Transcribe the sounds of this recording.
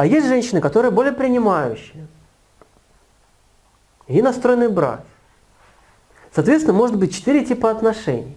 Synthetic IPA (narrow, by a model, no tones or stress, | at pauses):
ɐjesʲtʲʐɛnʲɕːɪnɨkɐt̪o̞ɾɨjəbo̞lʲɪjəpɾʲɪnʲɪmajʉ̰ɕːɪjə | jʲinɐst̪ɾojnːɨjbɾa̰k | sɐːt̪vʲet̪sʲɪnəmo̞ʐɨt̪̚bɨt̚ʲt͡ɕɪ̥t̪iɾʲɪtʲipəɐt̪nɐʂɛ̰nʲɪj